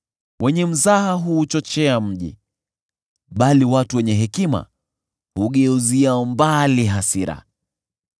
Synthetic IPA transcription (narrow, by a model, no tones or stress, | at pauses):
wʔɛɲɛm̩zaɦaɦuːt͡ʃɔt͡ʃɛam̩ʄḭ | ɓaliwatuwɛɲɛɦɛkima̰ | huɠɛuziaɔmbaliɦasiɾa̰